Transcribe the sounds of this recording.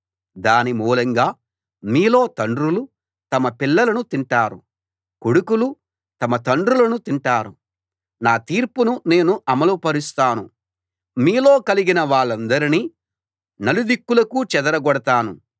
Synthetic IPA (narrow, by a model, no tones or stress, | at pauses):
d̪aːnimuːlɐŋɡaː | miːlo̞ːt̪ɐɳɖɾulu | t̪ɐmɐpilːɐlɐnut̪iɳʈaːɾu | kuɽukulu | t̪ɐmɐt̪ɐɳɖɾulɐnut̪iɳʈaːɾu | naːt̪iːɾpunune̞ːnuʔɐmɐlupɐɾist̪aːnu | miːlo̞ːkɐliɡinɐʋaːɭːɐnd̪ɐɾiniː | nɐlud̪ikːulɐkuːt͡ʃɛd̪ɐɾɐɡɔɽɐt̪aːnu